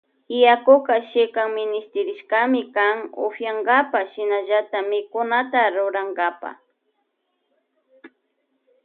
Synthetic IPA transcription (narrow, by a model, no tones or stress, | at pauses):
ɪjakokaʃɪkaŋmɪnɪst̪ɪɾɪʃkamɪkaŋo̰fjaŋɡapaʃɪnaʒat̪amɪkʊnat̪aɾʊɾaŋɡapa̰